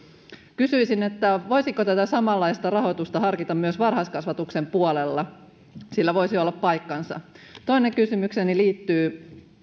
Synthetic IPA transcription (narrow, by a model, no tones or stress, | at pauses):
kysyisinet̪ːæʋo̞jsiŋkot̪æt̪æsɑmɑlːɑist̪ɑrɑho̞t̪ust̪ɑɦɑrkit̪ɑmmyøsʋɑrhɑskɑsʋɑt̪ukse̞mpuolelːɑ | silːæʋo̞jsiolːɑppɑjkːɑnsɑ̰ | t̪oineŋkysymykseniliːt̪ːyː